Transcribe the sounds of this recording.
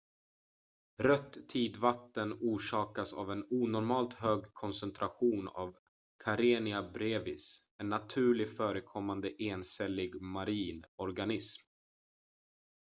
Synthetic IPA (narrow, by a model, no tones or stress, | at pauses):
ɾœt̪ːʰiːd̪vat̪ːənuːʂɑːkasa̰vɛnuːnɔɾmɑːlt̪ɦøːɡkʰɔnsɛnt̪ʰɾaɧuːna̰v | kʰaɾeːnɪabɾeːvɪsɛnːat̪ʰʉ̟ːɭɪɡfœːɾəkʰɔmːand̪əʔeːnsɛlːɪɡmaɾiːnɔɾɡanɪsm